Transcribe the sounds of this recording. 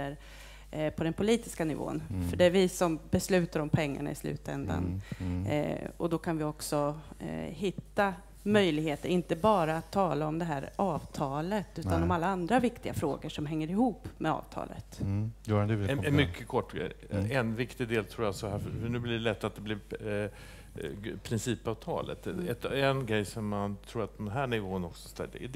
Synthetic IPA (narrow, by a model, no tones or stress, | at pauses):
əɾ | pʰɔd̪ɛnpʰʊliːt̪ɪskanɪvo̰ːnfœɖɛvɪsɔmbɛslʉ̟ːt̪aɾɔmpʰɛŋːa̰ɳa̰ʔɪslʉ̟̰ːt̪ɛ̰nd̪a̰n | ɔd̪ɔkʰanvɪɔksɔ | hɪt̪ːa | mœjlɪɡheːt̪əɾɪnt̪əbɑːɾaːt̪ʰːɑːlaɔmd̪ɛɦæːɾɑːvt̪ʰɑːlət̪ʉ̟ːt̪anɔmalːaand̪ɾavɪkt̪ɪɡafɾo̰ːɡəʂɔmɦɛŋːəɾɪhuːpːmɛɑ̰ːvt̪ʰɑ̰ːlə̰t̪ | mʏkʰːəkʰɔʈːɡɛ | ɛnvɪkt̪ɪd̪eːlt̪ʰɾuːjasɔhæffœɳʉ̟ːblɪɖɛlɛt̪ːat̪̚d̪ɛblɪɾ | pʰɾɪnsiːpɑvt̪ʰɑ̰ːlə̰t̪ɛt̪ɛnɡɾɛjsɔmːant̪ʰɾuːɾat̪̚pʰɔmd̪ɛnɦæːɳɪvoːənɔksɔ̥st̪ɛ̰l̰